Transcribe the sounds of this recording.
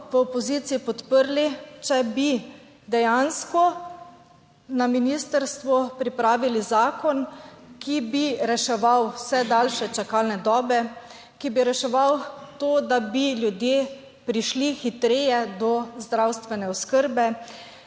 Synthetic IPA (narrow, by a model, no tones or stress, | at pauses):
ʋəɔpɔziːt̪siipɔt̪pəɾlit͡ʃɛbi | d̪ɛjanskɔ | naminist̪əɾst̪ʋupɾipɾaːʋilizaːkɔnkibiɾɛʃɛʋawsɛd̪alʃɛt͡ʃakalnɛd̪ɔːbɛ | kibiɾɛʃɛʋawt̪oːd̪abiljud̪jeː | pɾiʃlixit̪ɾeːjɛd̪ɔzd̪ɾawst̪ʋɛnɛɔskəɾbɛ